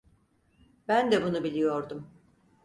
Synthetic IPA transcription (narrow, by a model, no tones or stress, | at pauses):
bænd̪ɛbunubilʲijo̞ɾd̪um